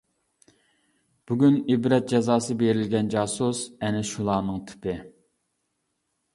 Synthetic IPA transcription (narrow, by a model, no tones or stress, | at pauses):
b̥yɡʲynibɾɛt̪̚d͡ʒɛzɑːsɨbeɾɪlɡʲɛnd͡ʒɑːsusɛnɪʃulˠɑːnɨŋt̪ʰy̥pɪ